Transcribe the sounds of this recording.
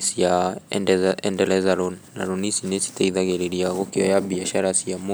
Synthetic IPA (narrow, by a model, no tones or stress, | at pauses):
sia | ɛndɛlɛzalɔnːa̰ɾɔnisinesi̥taiðaɣɛɾɛɾiaɣɔkejɔjaβiaʃaɾasiamo